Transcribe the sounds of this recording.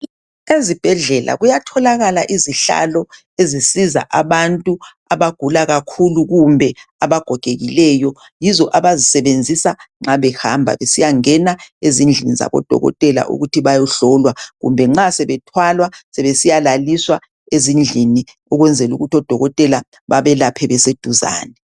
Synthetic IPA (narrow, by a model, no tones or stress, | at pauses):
ezib̥ʱɛɮɛlʔa̰ɣujatʰɔlaɣalaʔiziɬa̰lɔ | ezisiza̰ʔaβantʼu | aβaɡ̥ʱulaɣakʰuluɣumbʱɛaβaɡ̥ʱɔɡ̥ʱeɣilɛjɔ | jizɔʔaβazisɛβend͡zʱisaŋ͡ǁaβɛha̰mbʱa̰βesijaŋɛnaezind͡ɮʱiniza̰βɔ̰d̥ʱɔ̰ɣɔ̰tʼɛla̰ʔṵɣutʰiβajɔɬɔlwaɣṵmbʱɛŋ͡ǁasɛβɛtʰwalwasɛβesijalaliswa | ezind͡ɮʱini | ɔɣwɛnd͡zʱɛluɣutʰɔd̥ʱɔɣɔtʼɛla | βaβɛlapʰɛβɛsed̥ʱuza̰ːnɛ